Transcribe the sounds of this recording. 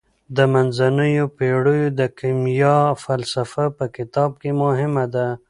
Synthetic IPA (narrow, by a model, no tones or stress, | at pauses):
d̪əmanzanəjopeɽəjod̪əkimjɑfalsafapəkɪt̪ɑb̚kemʊɦɪmad̪a